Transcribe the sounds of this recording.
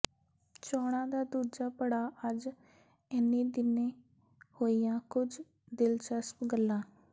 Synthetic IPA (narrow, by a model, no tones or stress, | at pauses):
t͡ʃɔːɽ̃ãːd̪aːd̪uːd͡ʒaːpəɽaːʔəd͡ʒ | ɪnːiːd̪ɪnẽː | hoːijãːkʊd͡ʒ | d̪ɪlt͡ʃəspɡəlːãː